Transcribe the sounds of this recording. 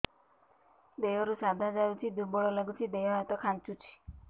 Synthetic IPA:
d̪ejɔɾusad̪ʱad͡ʒajũt͡ʃʰid̪ubɔɭɔləɡut͡ʃʰid̪ejɔat̪ɔkʰant͡ʃut͡ʃʰi̥

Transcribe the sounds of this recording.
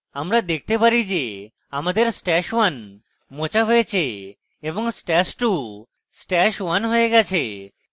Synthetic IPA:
amɾad̪ek̚ʰt̪epaɾid͡ʑe | amad̪eɾsʈɛʃwan | mot͡ɕaɦoet͡ɕʰe | eboŋsʈɛsʈu | sʈɛʃwanɦoeɡɛt͡ɕʰe

